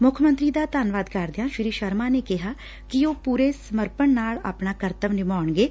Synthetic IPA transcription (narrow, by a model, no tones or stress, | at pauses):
mʊkʰmə̃nt̪ɾiːd̪aːt̪aːnʋaːd̪kəɾd̪ɪjãːʃɪɾiːʃəɾmaːneːkɪɦaː | kɪoːpuːɾeːsəməɾpəɳnaːɭa̰ːpnaːkəɾt̪əʋnɪmaːɳɡeː